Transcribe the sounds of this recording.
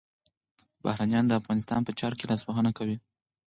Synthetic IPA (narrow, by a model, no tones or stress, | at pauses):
bahɾanjɑnd̪əafɣɑnɪst̪ɑ̰npət͡ʃɑɾkelɑswaɦənakawi